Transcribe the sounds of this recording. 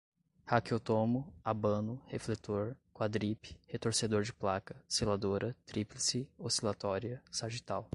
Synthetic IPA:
hakiot̪õmʊabɐ̃nʊheflet̪oɾkwad̪ɾipɪ̥het̪oɾsed̪oɾd͡ʒɪplakɐselad̪oɾɐt̪ɾiplesɪosilat̪ɔɾiɐsaʒit̪aw

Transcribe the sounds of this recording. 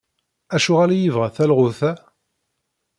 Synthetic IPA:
æʃʊʁalajivʁæθælʁʊθæ

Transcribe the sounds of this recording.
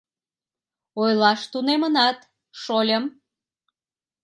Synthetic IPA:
ojlɑʃt̪unemənɑt̪ | ʃolʲəm

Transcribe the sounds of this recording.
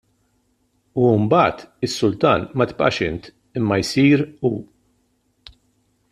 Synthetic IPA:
uɪmbɐːt̪ɪsːʊlt̪ɐːnmɐt̪pʼʔɐ̰ʃɪnt̪ | ɪmːɐjsiːɾuː

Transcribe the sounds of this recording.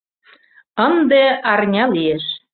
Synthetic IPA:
ənd̪eɑrnʲɑlieʃ

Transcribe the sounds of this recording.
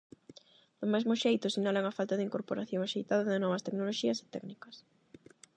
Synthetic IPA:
d̪̥ʊmezmʊʃejt̪ʊsinalaŋɐfalt̪aðɪiŋkoɾpoɾaθjoŋaʃejt̪aðɐðɪnɔβ̞ɐst̪eknoloʃiɐse̥t̪ɛ̰knikɐs

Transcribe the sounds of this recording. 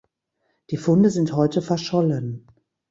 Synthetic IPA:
d̥iːfʊndəzɪnthɔʏtəfɛɐʃɔlən

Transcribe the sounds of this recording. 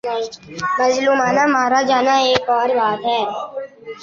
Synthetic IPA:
məzluːmaːnamaːɾad͡ʒaːnaeːkɔːɾbaːt̪ɦɛː

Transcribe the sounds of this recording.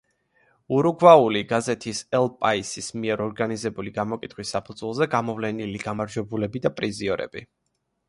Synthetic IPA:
uɾuɡwauliɡazɛt̪ʰisɛlˠpʼaisismiɛɾɔɾɡanizɛbuliɡamɔkʼit̪ʰχwisːapʰud̪zwɛlˠzɛɡamɔvlɛniliɡamaɾd͡ʒwɛbulɛbid̪apʼɾiziɔɾɛ̰b̥i

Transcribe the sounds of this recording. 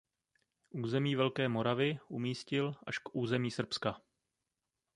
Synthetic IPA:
ʔuːzɛmiːvɛlkɛːmo̞ɾavɪʔumiːscɪlʔaʃkʔuːzɛmiːsr̩pska

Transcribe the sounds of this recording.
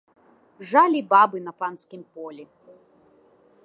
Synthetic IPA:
ʐalʲibabɨnɐpanskʲimpɔlʲi

